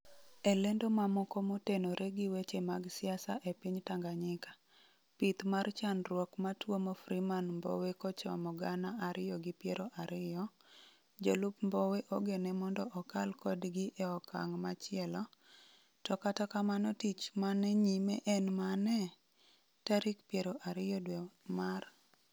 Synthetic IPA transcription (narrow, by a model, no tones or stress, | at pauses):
elendomamɔkomotenoɾʔeɡɪwet͡ʃemaɡsɪasa̰ʔepiɲtaŋɡaɲɪkḁ | pit̪mart͡ʃanrwɔkmatwomofɾimanmbo̰wekɔt͡ʃɔ̰mɔɡanaʔaɾɪjɔɡɪpjeɾoʔaɾɪjɔ | d͡ʒolupmboweʔoɡenɛmɔndɔʔɔkalkɔdɡɪʔeɔka̰ŋmat͡ʃɪɛlɔ | tɔkatakamanɔtit͡ʃmanɛɲimɛʔɛnmanɛ | taɾikpjeɾoʔaɾɪjɔdwemar